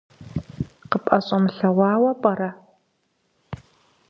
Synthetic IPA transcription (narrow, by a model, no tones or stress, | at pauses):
qəpʼɐɕʼɐmɨɬɐwɑːwɐpʼɐɾɐ